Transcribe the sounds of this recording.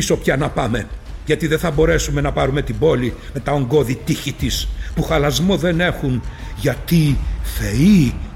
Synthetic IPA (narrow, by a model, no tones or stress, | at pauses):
iso̞pçɐnɐpɐme̞ʝɐt̪iðeθɐbo̞ɾe̞sume̞nɐpɐɾume̞t̪ibo̞limet̪ɐo̞ŋɡo̞ðit̪içit̪ispuxɐlɐzmo̞ðe̞ne̞xunʝɐt̪ife̞i